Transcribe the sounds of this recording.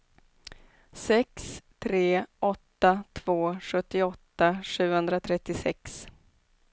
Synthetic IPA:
sɛkst̪ʰɾeːʔɔt̪ːat̪ʰv̥oːɧɵt̪ːɪɔt̪ːaʂʉ̟ːɡhɵnd̪ɾat̪ʰɾɛt̪ːɪsɛ̰ks

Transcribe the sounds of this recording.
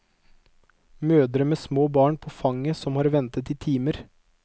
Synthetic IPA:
møːd̪ɾəmeːsmoːbɑːɳpʰoːfɑŋəsɔmhɑːɾʋɛnt̪ət̪iːt̪ʰiːməɾ

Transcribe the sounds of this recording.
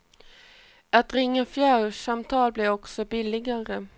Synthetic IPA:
at̪ɾɪŋːəfjæːɾʂamt̪ʰɑːlblɛɔksɔbɪlɪɡaɾə

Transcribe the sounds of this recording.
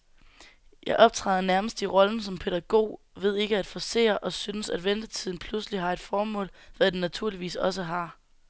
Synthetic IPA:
jɑ̈ɪʔɒ̽b̥̚t͡sʰʁɑ̰ːðˠɐnæɐməsd̥iʁɒ̽ln̩sɒ̽mpʰe̝d̥ɐɡ̥o̝̰ː | ʋe̝ð̞̰ˠe̝ɡ̥əæd̥fɒse̝̰ːɐʔɒ̽synəsæd̥ʋend̥ət͡sʰið̞̰ˠn̩pʰlusliɦɑ̈e̝d̥fɒːmɔ̰̽ːlʋæd̥enːæt͡sʰuɐ̰liʋḭːsɒ̽s̬əɦɑ̈

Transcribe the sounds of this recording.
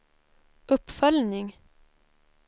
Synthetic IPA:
ʊpfœlnɪŋ

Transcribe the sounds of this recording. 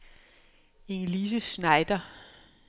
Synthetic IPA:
e̝ŋliːs̬əsnɑ̈ɪd̥ɐ

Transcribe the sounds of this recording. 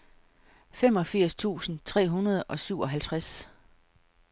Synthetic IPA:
fem̰ɒ̽fiɐ̰st͡sʰṵːsn̩t͡sʰʁɛ̰ːɦunɐð̞̩ˠʔɒ̽syʊɒ̽ɦælt͡sʰʁas

